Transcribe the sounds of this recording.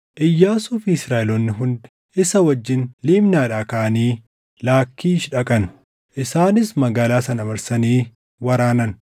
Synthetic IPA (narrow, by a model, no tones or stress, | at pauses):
ʔɪjːaːsʊːfisɾaːɪlɔnːɪɦʊnd̪ | ɪsɐwɐd͡ʒːɪnliːmnaːᶑaːkaʔɐniː | laːkːiːʃᶑɐkʼɐnʊ̥ | ʔɪsaːnɪsmɐɡaːlaːsɐnɐbɐɾsɐniː | wɐɾaːnɐn